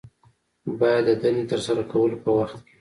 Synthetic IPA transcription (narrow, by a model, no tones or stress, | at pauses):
bɑjad̪ːəd̪anet̪əɾsaɾakawəlopəwaxt̪ke̥